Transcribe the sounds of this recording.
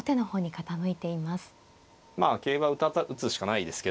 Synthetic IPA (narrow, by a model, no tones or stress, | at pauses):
ot̪e̞no̞ho̞ːɲ̟ikat̪anoit̪e̞imasɨ̥ | maːke̞ːβaɯ̟t̪at̪ːaʔɯ̟t͡sɨɕi̥kanaid̪e̞sɨ̥keo